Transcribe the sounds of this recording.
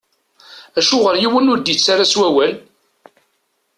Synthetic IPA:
æʃʊʁəɾjiwənʊɾd̪it͡sːaɾaswæwæl

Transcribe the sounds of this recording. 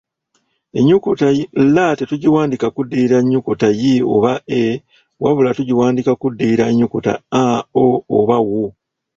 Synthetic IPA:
e̞ɲːukutajilːatetuɟiwaːndikakudːiiɾaɲːukutajio̞̰βaʔe | waβulatuɟiwaːndikakudːiiɾaeɲːukuta̰aoːβawu

